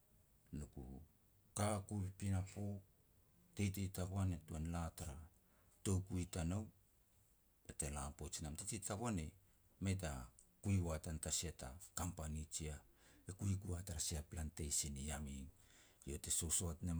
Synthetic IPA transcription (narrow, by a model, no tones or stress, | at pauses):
nukṵ | kakuipinapo̞ | tejtetakoanetuanlataɾa | to̞kuitanow | etelampot͡ʃinamtatitaβoane | met̬akuiwatantasiata̰kampanit͡ʃia | ekuikuataɾasiaplantejsinijamiŋ | jo̞te̞sosoatne